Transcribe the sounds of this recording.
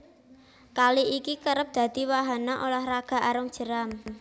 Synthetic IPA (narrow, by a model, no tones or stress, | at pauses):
kaliʔikikəɾəp̚d̪̥ä̤d̪̥i̤waɦanaʔolahraɡ̥a̤ʔaɾʊŋd̥ʒ̥ə̤ɾam